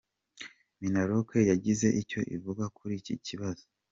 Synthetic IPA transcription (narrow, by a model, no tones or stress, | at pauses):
minaɾokʰejaɟize̞ʔico̞ʔḭvuɡakuɾicḭciβazo